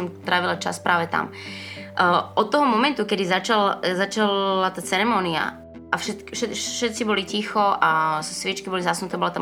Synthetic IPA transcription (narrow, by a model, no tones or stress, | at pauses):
ɔmt̪ɾaʋilat͡ʃa̰spɾʔaːʋɛt̪a̰m | ʔɔt̪̚tːɔɦɔmɔmɛnt̪ukɛd̪izat͡ʃalzat͡ʃalat̪aːt͡sɛɾɛmɔːnia̰ | ʔafʃɛt̪ʃɛʃɛt̪̚t͡sibɔlicixɔassʋɪɛt͡ʃkibɔlizasnut̪ɛːbɔlat̪am